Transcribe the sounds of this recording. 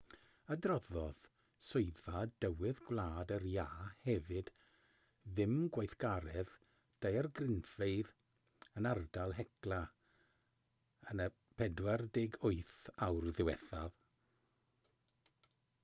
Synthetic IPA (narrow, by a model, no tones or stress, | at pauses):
adrɔðɔð̥ | sʊjðvadəwɪðɡwlˠaːdərjaːhɛvɨd̥ | ðɪmɡwajθɡ̥aɾɛð | d̥ajrɡrɪnfeɨð | ənardalˠɦɛklˠa | ənə | pʰɛdwardɪɡʊɨθawrðɪwɛ̰θav